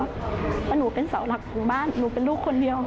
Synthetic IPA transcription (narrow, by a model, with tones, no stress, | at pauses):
ta˧nuː˩˦pe˧nsa˩˦wla˨˩k̚ːu˧ŋbaː˥˩˨nːuː˩˦pe˧nluː˥˩kʰːo˧ndi˧əw